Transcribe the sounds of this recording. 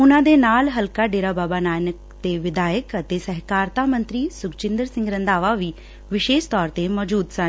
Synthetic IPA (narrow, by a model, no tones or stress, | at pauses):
ʊnãːd̪enaːlɦɐlkaɖeːɾabaːbanaːjnək | t̪eʋɪd̪aːjəkɐt̪esɐɦkaːɾt̪amɐ̃nt̪ɾiːsʊkt͡ʃɪ̃nd̪əɾsɪ̃ŋɡɾɐ̃nd̪aːʋaʋiː | ʋɪʃeːʃt̪ɔːɾt̪emɔːd͡ʒuːd̪sã